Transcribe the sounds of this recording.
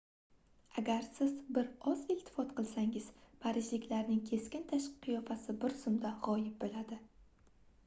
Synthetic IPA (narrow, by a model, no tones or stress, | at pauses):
aɡʲaɾsɪzbɪɾɒzɪlt̪ʰɪ̥fɒt̪qʰɨlˠsaŋɪzpʰaɾɪʃlɪkʲlaɾnɪŋkʲʰe̞skʲɪnt̪ʰaʃɨqʰɨjɒfasɪbɪɾsʊmd̪aʁɒjɪp̚bolad̪ɪ